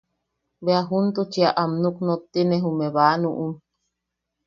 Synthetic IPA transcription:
beaɦunt̪ut͡ʃiaʔamnuknot̪ːineɦumeβaːnuʔum

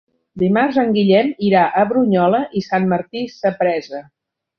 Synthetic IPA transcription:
d̪imarzəŋɡiʎɛmiɾaʔəβɾuɲɔləʔisanməɾt̪isəpɾɛzə

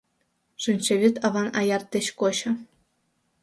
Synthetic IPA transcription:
ʐɨnʲt͡ɕĕʋʲit̪ɑʋɑnɑjɑrt̪ʲːɘ̆ɕkoɕɤ̆

